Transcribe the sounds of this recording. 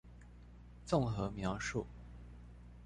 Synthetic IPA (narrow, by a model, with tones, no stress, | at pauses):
t͡sʊ˥˩ŋxɤ˧˥mjɑ˧˥ʊʂu˥˩